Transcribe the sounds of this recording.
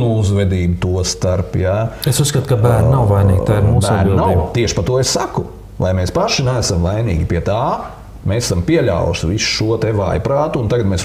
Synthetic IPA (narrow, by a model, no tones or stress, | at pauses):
nuuzʋɛd̪iːbut̪uɔst̪aɾpjaesuskɐt̪kɐbæːɾnnawvajniːɡʲt̪aːɪɾmuːsbæad̪ɾnbilˠd̪naiːbt̪iɛʃpat̪uɔessaku | lajmeːspaʃinæːsamvajnḭːɡʲipiɛt̪aː | meːse̥sampiɛlʲa̰w̰ʃʋisu̥ʃuɔt̪eʋa̰ːjpɾaːt̪uːnt̪aɡɐt̪meːs